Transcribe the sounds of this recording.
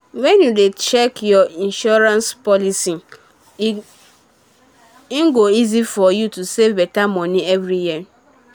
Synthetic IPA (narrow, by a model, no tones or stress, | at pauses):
wɛnjudet͡ʃekjɔĩnʃɔɾãnspɔlisi | ɡoizifɔjutusevbɛtamɔ̃niɛvɾiji